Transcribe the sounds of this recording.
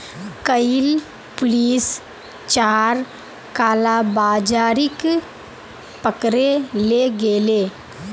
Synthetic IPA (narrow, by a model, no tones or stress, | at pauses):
kəɪl | pʊliːs | t͡ʃaːɾ | kaːlabaːd͡ʒaːɾɪk | pəkɾeleɡeːleː